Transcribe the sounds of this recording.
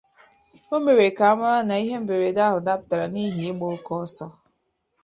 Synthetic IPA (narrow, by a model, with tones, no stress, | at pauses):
o˦me˨ɾe˨ka˨a˦ma˦ɾa˦na˨i˦ɦe˦m̩˦be˨ɾe˨da˦ɦʊ˨da˦pta˨ɾa˨ni˦ɦi˨e˦ɡ͡bo˦kɔ˦sɔ˦